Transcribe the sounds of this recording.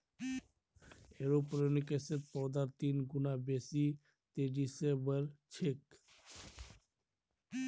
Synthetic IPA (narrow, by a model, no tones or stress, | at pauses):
eɾopɾenikeset̪̚pɔd̪aɾt̪inɡunabesi | t̪eɖisebəɾt͡ʃʰek